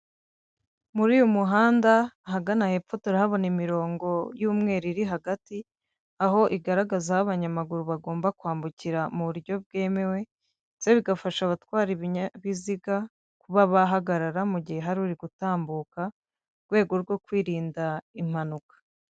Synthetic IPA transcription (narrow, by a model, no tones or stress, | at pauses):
muɾiːjomuɦaːndaɦaɡanahe̞pfo̞toɾahaβo̞nimiɾo̞ːŋɡo̞juːmŋe̞ːɾiɾiɦaɡati | aɦo̞ʔiɡaɾaɡazahaβaɲamaɡuɾuβaɡo̞ːmbakwaːmbuciɾamuβuɾjo̞b̚ɡe̞ːme̞we̞ | z̥e̞βiɡafaʃaβatwaːɾiβiɲaβiziɡa | kuβaβaɦaɡaɾaɾamuɟihe̞ɦaɾuɾiɡutaːmbuːka | ɾɡwe̞ːɡo̞ɾɡo̞kwiːɾiːndaim̥anukḁ